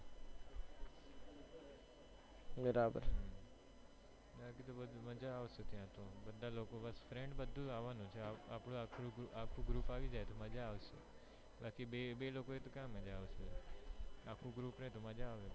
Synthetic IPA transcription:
bəɾaːbə̰ɾɦ | baːkit̪obəd̪mɐd͡ʒaːʋsət̪ɪjãːt̪ʰoːbəd̪ʱaloːkobəsfɾẽːɳɖbəd̪ʱoaːʋanõt͡ʃʰeaːpɽoakʰoɡʔaːkʰuɡɾuːpaːʋid͡ʒaːet̪ʰoməd͡ʒaːʋsḛ | baːkiɓeɓeːloːkoet̪okãːmə̃d͡ʒaːʋəs | aːkʰuɡɾuːpnẽt̪ʰomɐd͡ʒaːʋe

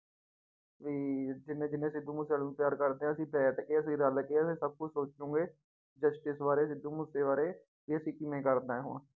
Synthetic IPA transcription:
ʋiːd͡ʒɪnẽːd͡ʒɪnẽːsɪd̪uːmʊsaːlnũːpjaːɾkəɾd̪eːɦɛ̃ːəsĩːbɛːʈ̪keːəsĩːɾəlkeːəsĩːsəb̚kʊt͡ʃsoːt͡ʃũːɡeː | d͡ʒəsʈɪsʋaːɾeːsɪd̪uːmʊseːʋaːɾeː | ʋiːəsĩːkɪmẽːkəɾd̪aːɦo̰ːn

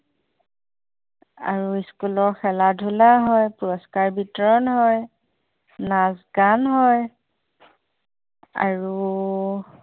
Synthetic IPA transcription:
a̰ɹuiskulɔxɛladʱulaɦɔjpuɔskaɹbitɔɹɔnɦɔj | nazɡanɦɔj | a̰ɹu

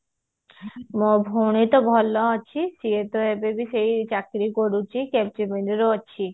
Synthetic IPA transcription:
mobʱonit̪obʱɔlːoaːt͡ɕʰisiet̪oɦebebiʃejt͡ɕakɾikoɽut͡ɕikɛp̚t͡ɕimenduɾoaːɕʰi

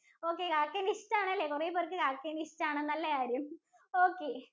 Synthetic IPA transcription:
oːkːekaːkːenistːaːɳɐlːekureːpːorkːɨkaːkːenistaːɳenːɐlːɐkaːɾjum | oːkːeː

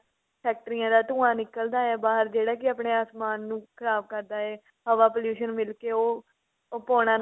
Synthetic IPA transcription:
pʰɛːk̚ʈɾijãːd̪aːt̪ʊːãːnɪkːəld̪aːɛːbaːɦəɾd͡ʒeːɽaːkɪaːpɳeːaːsmaːnːũːkʰəɾaːb̚kəɾd̪aːɛː | ɦəʋaːpoːljuːʃənmɪlkeːoː | poːɽ̃ãːn

